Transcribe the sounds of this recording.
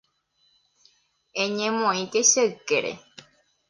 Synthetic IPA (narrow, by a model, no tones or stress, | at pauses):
ẽɲẽmõĩkeʃeɨkeɾḛ